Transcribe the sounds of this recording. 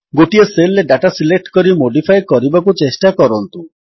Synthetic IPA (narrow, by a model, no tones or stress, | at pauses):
ɡoʈieselːeɖaʈasilek̚ʈkɔɾimoɖipʰajkɔɾibakut͡ʃesʈakɔɾɔnt̪u